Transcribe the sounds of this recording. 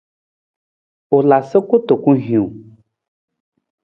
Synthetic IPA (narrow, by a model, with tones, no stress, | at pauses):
o˨la˨se˦ko˦t̪o˨kũ˦ɦĩ˨u˨